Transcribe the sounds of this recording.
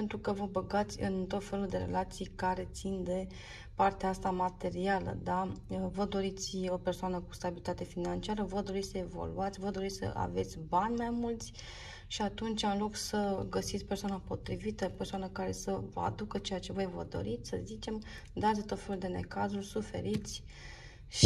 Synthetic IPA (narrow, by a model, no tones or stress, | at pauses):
ent̪ɾukəvəbəɡat̪sʲɨ̰nt̪o̞t̪fe̞luld̪e̞ɾe̞̰lat̪sijkaɾe̞t̪sind̪e̞ | part̪eaast̪amat̪e̞ɾialə̰d̪avəd̪o̞ɾit̪sʲo̞pe̞rsoanəkust̪abilit̪at̪e̞finant͡ʃiaɾəvəd̪o̞ɾit̪ʲsəe̞vo̰lṵat̪sʲvəd̪o̞ɾit̪ʲsə̰ʔa̰ve̞t̪sʲbanʲmajmult̪sʲ | ʃiat̪unt͡ʃʲanlo̞ksəɡəsit̪sʲpersoanapo̞t̪ɾivit̪əpe̞rsoanəkaɾe̞səvəa̰d̪ukət͡ʃe̞jat͡ʃe̞vo̞jvə̰d̪o̞̰ɾit̪sʲsə̰zit͡ʃe̞m | d̪at̪sʲt̪o̞t̪fe̞luld̪e̞ne̞̰kazulʲsufe̞̰ɾit̪sʲ | ʃ